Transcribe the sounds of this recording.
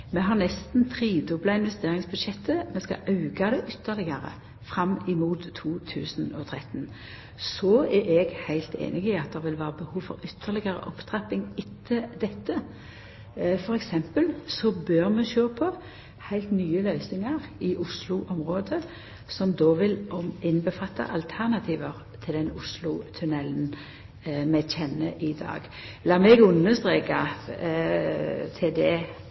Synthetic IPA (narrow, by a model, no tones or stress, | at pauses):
mɛɦɑʁnɛst̪nt̪ʰɾiːd̪ʊbləɪnʋɛst̪eːɾɪŋsbʉd̪ʃɛt̪ːəmɛnskɑ̰ʔɑʉɡɑd̪ɛʔʏt̪ʰːəʁlɪɡɑɾə̰ | fʁɑmɪmuːt̪ʰːuːt̪ʰʉ̰ːsənɔt̪ʰʁɛt̪n | sɔæʔɛɡhæɪlt̪ʰḛːnɪɡɪɑt̪̚d̪ɛʋɪlʋæːɾəbəhuːʋfɔ̰ɾʏt̪ʰːəʁlɪɡəɾə̰ʔɔpt̪ʰʁɛp̪ɪŋɪt̪ʰːəd̪ɛt̪ːə | fɔɾɛksɛmpəlsɔbøʁmɛʃøːpʰɔ | hæɪlt̪nyːəlœʏsnɪŋɑʁɪʔʊslʊʔɔmʁoːd̪ə | sɔmd̪oːʋɪlɔmɪnbəfɑt̪ːɑ̰ʔɑlt̪ʰæʁnɑt̪ʰiːʋəʁ | t̪ʰɪld̪ɛnʊslʊt̪ʰʉnɛln | mɛçɛnːəʔɪd̪ɑ̰ːɡ | læːʁmɛɡʊnːəst̪ʁeːkɑ | t̪ʰɪld̪ɛ